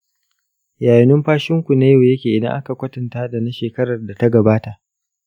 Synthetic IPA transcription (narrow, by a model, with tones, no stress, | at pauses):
jaː˨jɪ˨nʊ˦mɸaː˦ʃɪ˦ŋkʷu˨na˦ja˦˨jɐ˦kʲeː˨ʔɪ˨dɐ̰˦ŋʔa˦ka˨kʷɐ˦tɐ˨ntaː˦da˨na˦ʃeː˨kɐ˦ɾɐ˨rda˨ta˦ɡɐ˨baː˦ta˨ʔ